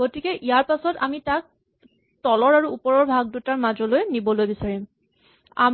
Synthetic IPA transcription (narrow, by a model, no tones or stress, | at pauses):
ɡotikɛʔijaɹpasɔta̰mitak̚ | tɔlɔɹaɹuupɔɹɔɹbʱaɡ̚dutaɹmazɔlojnibɔlojbisaɹim | a̰m